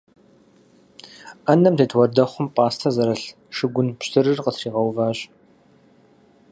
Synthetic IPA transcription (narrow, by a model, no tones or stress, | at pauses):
ɐnɐmtʰeːtʰwɔrdɐχʷʊmpʼaːstʰɐzɐɾɐɬ | ʂɨɡʷʊnpɕtʰɨɾɨrqətriːʁɐwvaːɕʼ